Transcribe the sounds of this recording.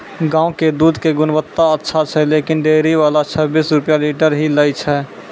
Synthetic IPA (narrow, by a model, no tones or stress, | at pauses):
ɡãːũked̪uːd̪ʱkeɡʊnbət̪ːaətːʃʰat͡ʃʰɛleːkɪnɖeːɾiʋaːlat͡ʃʰəbiːsɾʊpjaliːʈəɾɦiləjt͡ʃʰɛ